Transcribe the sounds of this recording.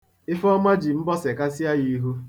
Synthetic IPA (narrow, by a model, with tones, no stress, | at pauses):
ɪ˦fɔ˦ma˦d͡ʒi˨m̩˦bɔ˦se˨ka˦si˦a˦ɣi˦ɦu˦